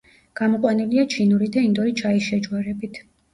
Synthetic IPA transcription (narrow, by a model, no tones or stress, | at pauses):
ɡ̥amɔqʼwaniliat͡ʃʰinuɾid̪aind̪ɔɾit͡ʃʰaisʃɛd͡ʒʼwaɾɛbit̪ʰ